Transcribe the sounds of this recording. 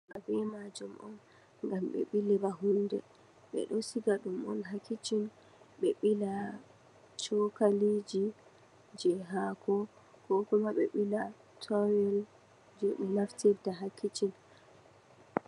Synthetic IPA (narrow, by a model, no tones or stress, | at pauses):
ʔa̰vɛmad͡ʒɔmʔɔ̰n | ŋɡamɓɛ̰ɓilɛbaɦundɛ̰ | ɓɛ̰ɗɔsiɡaɗumɔ̰nɦakːit͡ʃin | ɓɛɓila | t͡ʃɔkalid͡ʒi | d͡ʒɛɦakʰɔ | kɔkɔmaɓɛ̰ɓila | tʰɔwɛl | d͡ʒoɗimaftiɾdaɦakːit͡ʃin